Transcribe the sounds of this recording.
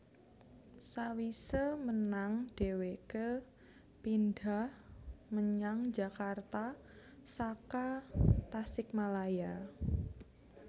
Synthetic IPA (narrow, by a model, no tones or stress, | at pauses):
sawisəmənaŋɖ̥e̤wekə | pindahməɲaŋd͡ʒa̤kart̪a | sakat̪asɪk̚malaja